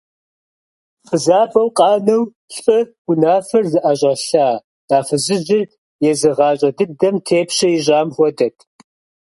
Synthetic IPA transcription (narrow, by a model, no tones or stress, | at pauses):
fəzaːbɐwqʼɑːnɐw | ɬʼɨɡ̥ʊnaːfɐrzɨʔaɕʼɐɬaː | d̥aːfɨzɨʒɪr | jɛzɨʁɑːɕʼɐdɨdɐmtʰeːpɕɐjɪʑaːmxʷɔdɐtʰ